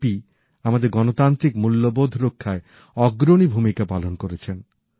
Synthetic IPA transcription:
pi | amad̪eɾɡɔnot̪ant̪ɾikmulːobod̪ʱɾokʰːae | ɔɡɾonibʱumikapalonkoɾet͡ɕʰen

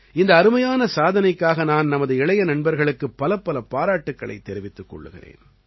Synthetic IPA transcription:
ɪnd̪ɐːɾɯmɐjaːnɐsaːðɐnɐɪkːaːɣɐnaːnnɐmɐðɯɪɭɐjɐnɐɳbɐɾɣɐɭɯkːɯpːɐlɐpːɐlɐpaːɾaːʈːɯkːɐɭɐ̰ɪt̪ːɛɾɪʋɪt̪ːɯkːɔ̰ɭːɯ̰ɣɪ̰rḛːn

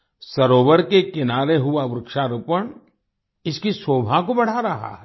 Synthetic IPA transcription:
sɐɾoːʋəɾkekɪnaːɾeɦʊaʋɾʊkʃaɾupəɳ̃ | ɪskisoːbʱakobɐɽ̤aɾɐɦa̰ɛ

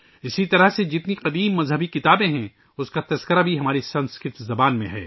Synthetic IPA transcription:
ɪsit̪ɐɾəɦsed͡ʒɪt̪niqɐd̪iːmːɐzɦəbikɪt̪aːbẽɦɛ̃ | ʊskat̪ɐskəɾabʱiɦɐmaːɾisɐ̃nskɾɪɾt̪zɐbaːnmḛ̃ɦɛ̰ː

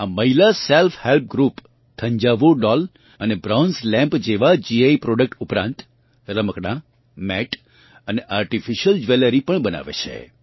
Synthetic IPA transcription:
aməɦilaselfʰhelp̚ɡɾup | t̪ʰə̃ɲd͡ʒaʋoɖɔl | ənebɾawnslɛ̃mpd͡ʒeʋad͡ʒiaipɾɔɖək̚ʈupɾã̰nt̪ | ɾəməkɽã | mɛʈ | əneʔaɾʈifiʃəld͡ʒʋeləɾipəɳbəna̰ʋḛt͡ʃʰḛ

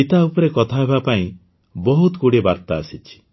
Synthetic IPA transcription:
it̪aupɔɾekɔt̪ʰaɦebapaĩ | bɔɦut̪ɡuɽebaɾt̪aːsit͡ʃʰi̥

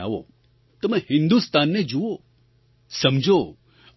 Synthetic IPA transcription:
a̰ːʋo̰ | t̪omɛ̃hɪ̃nd̪ust̪aːnːed͡ʒuo | sɐmd͡ʒʱo

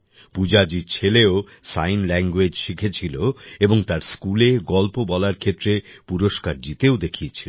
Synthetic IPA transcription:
pud͡ʑad͡ʑiɾt͡ɕʰeleo | sajnlɛŋɡwed͡ʑʃikʰet͡ɕʰiloeboŋt̪aɾskuleɡɔlpobɔlaɾkʰet̪ːɾepuɾoʃkaɾd͡ʑit̪eod̪ekʰiet͡ɕʰilo

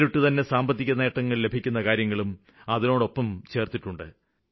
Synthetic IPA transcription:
ɾuʈːɨt̪ɐnːe̞saːmbɐt̪̬ːikʲːunːɐjeʈːɐŋːɐɭle̞bʱikʲːunːɐkaːɾjɐŋːɐɭum | ɐðino̞ːɽo̞pːɐmt͡ɕe̞ːrt̪iʈːuɳɖɨ

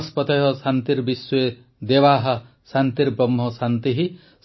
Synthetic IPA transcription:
spɔt̪eɦɔsant̪iɾbisːɔe | d̪ebaɦa | sant̪iɾbɾɔmɦɔsant̪iɦi | s

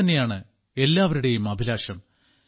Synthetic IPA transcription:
ɐnːe̞jaːɳɨ | e̞lːaːʋɐɾuɽe̞jumɐbʱilaːʂɐm

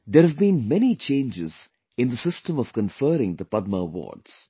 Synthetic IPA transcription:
d̪əɾhəvbĩnmɛnit͡ʃẽɪ̃nd͡ʒɪz̥ | ɪ̃nd̪əsɪsʈə̃mɔv̥kə̃nfəːɾɪ̃ŋd̪əpʌd̪̚məəwɔ̰ːɖz̥

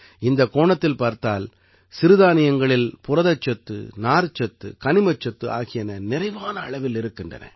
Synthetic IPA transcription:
ɪnd̪ɐkoːɳɐt̪ːɪlpaːɾt̪aːl | sɪɾɯðaːnɪjɐŋɡɐɭɪlpʊrɐðɐt͡ʃːɐt̪ːɯ̰naːɾt͡ʃːɐt̪ːɯ̰kɐnɪmɐt͡ʃːɐt̪ːɯʔa̰ːɣɪjɐnɐnɪrɐɪʋaːnɐːɭɐʋɪlɪɾɯkːɪndrɐ̰nɐ̰

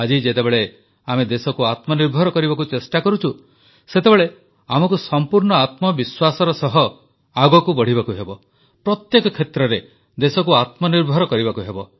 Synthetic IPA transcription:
ad͡ʒid͡ʒet̪ebeɭe | amed̪esɔkuat̪mɔniɾbʱɔɾɔkɔɾibakut͡ʃesʈakɔɾut͡ʃʰu | set̪ebeɭe | amɔkusɔmpuɾɳɔat̪mɔbiswasɔɾɔsɔɦɔ | aɡɔkubɔɽ̤ibakuɦebɔ | pɾɔt̪jekɔkʰet̪ɾɔɾe | d̪esɔkuat̪mɔniɾbʱɔɾɔkɔɾibakuɦebɔ

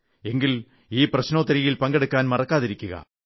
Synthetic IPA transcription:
e̞ŋɡil | iːprɐɕnoːt̪ːɐɾijilpɐŋɡeɽukːaːnmɐrɐkːaːðiɾikʲːuɣɐ̰

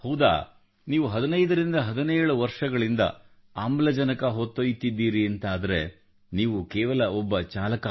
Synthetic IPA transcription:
hɐwd̪a̰ː | niːʋuɦɐd̪ɐnɐjd̪ɐɾind̪ɐɦɐd̪ɐneːɾɐɭuʋɐɾʂɐɡɐɭind̪ɐ̰ | aːmlɐd͡ʒɐnɐkɐɦot̪ːojt̪id̪ːiːɾiɐnt̪aːd̪ɐɾe̞ | niːʋukɛːʋɐlɐɔbːɐt͡ʃaːlɐka

